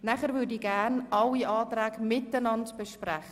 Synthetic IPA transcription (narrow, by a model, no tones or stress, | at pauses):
nɛχəɾvʏdiɡænʔɑliʔɑːtræːɡmɪtənɑntb̥əʃprɛχə